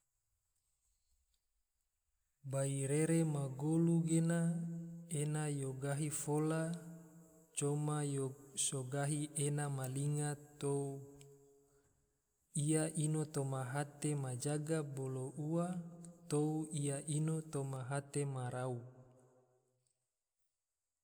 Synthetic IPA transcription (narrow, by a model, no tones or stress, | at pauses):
baiɾeɾemaɡoluɡena | enajoɡaɦifola | t͡ʃomajosoɡaɦiʔenamaliŋat̪ou | ijaʔinot̪omaɦat̪emad͡ʒaɡaboloʔuat̪ouijaʔinot̪omaɦat̪emaɾau